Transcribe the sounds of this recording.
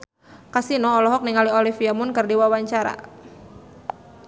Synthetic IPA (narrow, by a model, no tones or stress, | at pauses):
kasinɔːlɔɦɔk̚niŋaliɔlifiamʊnkərdiwawaɲt͡ʃaɾa̰